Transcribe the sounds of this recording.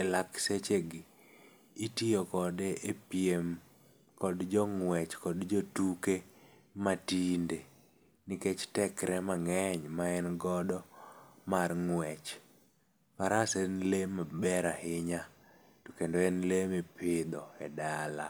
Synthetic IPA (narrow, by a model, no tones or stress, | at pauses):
ɛlakset͡ʃeɡiː | tiɔkɔdeʔepjem | kɔdd͡ʒɔŋwɛt͡ʃkɔdd͡ʒotuke | matinde | niket͡ʃtɛkɾɛmaŋɛɲmaɛnɡɔdɔmarŋwɛt͡ʃ | paɾasɛnlemabɛɾahɪɲa | tokendoɛnlemepʰɪd̪ɔɛdala̰